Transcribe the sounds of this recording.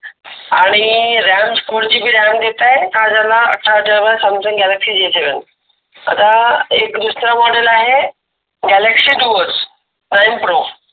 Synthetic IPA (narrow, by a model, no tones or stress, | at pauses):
aːɽ̃iɾamskuɽd͡ʑiːbʱiɾamd̪et̪aːɦek̪ãd͡ʑalaə̰ʈʰːaɖəʋəsəmsɪ̃ŋɡɛləksid͡ʑet͡ɕeʋen | ə̰d̪aekd̪usɾamɔɖəlaːɦe | ɡɛleksiɖuəs | najmpɾoːf